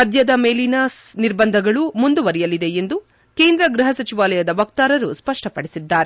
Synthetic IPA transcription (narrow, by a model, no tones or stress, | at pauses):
ɐd̪ʱjɐd̪ɐmeːlinaːsniɾbɐnd̪ʱɐɡɐɭumund̪uʋɐɾijɐlid̪e̞end̪u | ke̞ːnd̪ɾɐɡɾuɦɐsɐt͡ʃiʋaːlɐjɐd̪ɐʋɐk̚t̪aːɾɐɾuspɐʂʈɐpɐɽisid̪ːaːɾe